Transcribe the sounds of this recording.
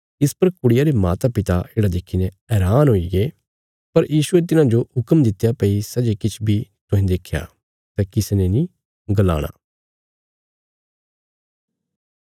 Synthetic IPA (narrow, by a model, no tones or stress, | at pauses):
ɪspɐɾkʊɽɪjaɾemaːt̪apɪt̪aeːɽad̪ɪkʰinɛ̃ | ɛːɾaːnɦoːiɡe | pɐɾjiːsʊet̪̬ɪnãd͡ʒoɦʊkəmd̪ɪt̪ːjapɐisɐd͡ʒekɪt͡ʃʰbʱit̪ʊɦĩd̪eːkʰːja̰ː | t̪ɛkɪsnẽnĩ | ɡəla̰ːɽ̃a̰ː